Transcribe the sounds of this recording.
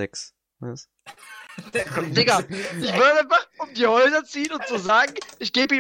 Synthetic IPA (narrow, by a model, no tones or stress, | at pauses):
ɛks | ma̰ɪs | leɡaːlɪçv̥ɪɐdəaɪnfaχʊmdiːhɔʏzɐt͡siːənʊntt͡suzaːɡŋ̩ʔɪçɡ̥eːbəiː